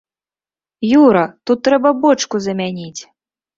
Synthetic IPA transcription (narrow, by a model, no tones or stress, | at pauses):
juɾɐt̪ut̪ːɾɛbɐbɔt͡ʂkuzɐmʲanʲit͡sʲ